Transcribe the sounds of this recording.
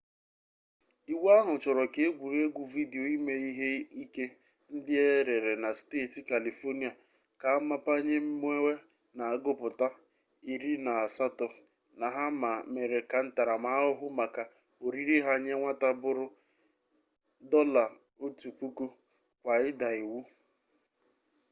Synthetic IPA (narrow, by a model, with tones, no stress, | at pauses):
i˨wa˦ɦʊ˨t͡ʃɔ˨ɾɔ˨ke˨e˦ɡʷu˨ɾe˦ɡʷu˨vi˦de˨o˨i˦me˦i˦ɦe˦i˦ke˦ | n̩˦dɪ˦e˦ɾe˨ɾe˨na˨steː˦˨tɪ˨ka˨li˨fo˦ni˦a˨ | ka˨a˦ma˦pa˦ɲe˦m̩˦m˦e˦we˦ | na˨a˨ɡʊ˦pʊ˨ta˦ | i˨ɾi˦na˨a˨sa˦tɔ˨ | na˨ɦa˦ma˨me˨ɾe˨ka˨n̩˦ta˨ɾa˨ma˨˦ʊ˦ɦʊ˦ma˨ka˨ | o˨ɾi˦ɾi˦ɦa˦ɲe˦ŋʷa˦ta˦bʊ˦ɾʊ˦ | dɔ˦la˨ | o˦tu˨k͡pu˦ku˦ | kʷa˨ɪ˦da˨i˨wu˦